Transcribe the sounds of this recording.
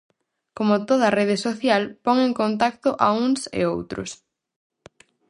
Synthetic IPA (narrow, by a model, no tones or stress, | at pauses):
komʊt̪oð̞ɐːreð̞ɪsoθjalpɔŋẽŋkont̪ak̚t̪ʊʔauŋsḛo̰wt̪ɾʊ̰s